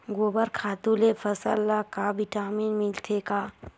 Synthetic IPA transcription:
ɡoːbəɾkʰaːt̪ulefɐsə̰lːakaʋɪʈaːmiːnmɪlt̪ʰeːkaː

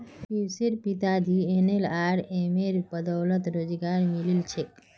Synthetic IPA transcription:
piwseɾpit̪ad̪ʱienelaɾemeɾbəd̪əwlət̪ɾod͡ʒɡaɾmililt͡ʃʰek

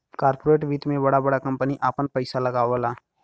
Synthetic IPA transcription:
kaːɾpoɾeːʈʋiːt̪mẽbɐɽabɐɽakɐ̃mpəniʔaːpənpɐɪsalɐɡaːʋəlaː

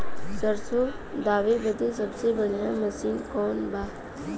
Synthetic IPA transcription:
səɾso | d̪aːʋebəd̪es̬əbsebəɽijãməsiːnkɔːnbaː

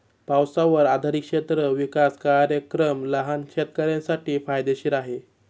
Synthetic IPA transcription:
pawsaʋəɾad̪ʱaɾikʂet̪ɾəʋikaskaɾjəkɾəmləɦankʂet̪kəɾjãsaʈiːfajd̪eɕiːɾaɦe

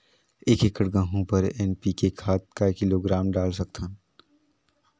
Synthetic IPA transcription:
eːkekəʈɡə̃ɦõpɐɾɛːnpikekʰaːt̪̚kakɪloɡɾaːmɖaːlsɐk̚t̪ʰən

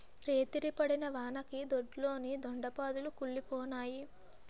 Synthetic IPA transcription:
ɾe̞ːt̪iɾipɐɽinɐʋaːnɐkid̪oɖlo̞ːnid̪oɳɖɐpaːd̪ulukuɭːipɔːnaːji

